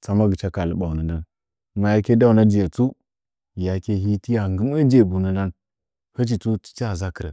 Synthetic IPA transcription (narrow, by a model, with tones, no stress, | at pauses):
t͡sa˦ma˦ɡə˨t͡ʃa˦ka˨lə˨ɓa˨u˨nə˨na˦n | ma˨ja˦ke˦da˦u˨na˦d͡ʒi˨e˨t͡su˦ | ja˨ke˦ɦi˦ti˦ja˨ŋɡi˦me˦d͡ʒe˨bu˨nə˦na˦n | hə˦t͡ʃi˨tu˦t͡ʃi̥˦t͡ʃa˦˨za˦kə˨ɾə̰˨